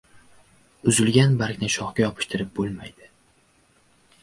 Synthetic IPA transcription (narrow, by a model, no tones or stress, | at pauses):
ʊzɪlɡʲanbaɾkʲnɪʃɒχkʲajɒpʰɪ̥ʃt̪ʰɪɾɪp̚bolˠmajd̪ɪ̥